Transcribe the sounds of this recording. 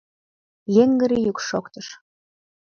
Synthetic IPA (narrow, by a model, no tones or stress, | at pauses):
jeŋɡə̆ɾijukʃokt̪əʃ